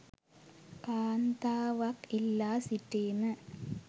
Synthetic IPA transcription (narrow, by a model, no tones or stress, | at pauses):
kaːnd̪aːʋɐkilːaːsiʈːeːnɨ